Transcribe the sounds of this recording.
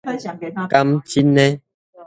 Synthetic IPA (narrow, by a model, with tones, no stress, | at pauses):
ka˦mt͡ʃi˦nɛ̃˦